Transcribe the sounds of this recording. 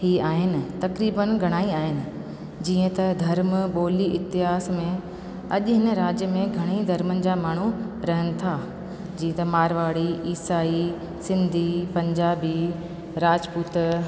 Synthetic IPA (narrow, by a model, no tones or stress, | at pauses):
hiːaːɦɪnɪ̆t̪ɐkɾiːbənɡʱɐɽ̃aːiaːɦɪnɪ̆ | d͡ʑiːə̃t̪ɐd̪ʱɐɾmɓoːliʔɪt̪ɪɦaːsmẽ | ɐʄʊɦɪnəɾaːd͡ʑjəmẽɡʱɐɽ̃id̪ʱɐɾmənɪ̆d͡ʑaːmaːɳ̤u | ɾɐɦənɪ̆t̪ʰaː | d͡ʑĩːə̃t̪ɐmaːɾʋaːɽiʔiːsaːi | sɪ̃nd̪ʱipɐ̃ɲd͡ʑaːbi | ɾaːd͡ʑpuːt̪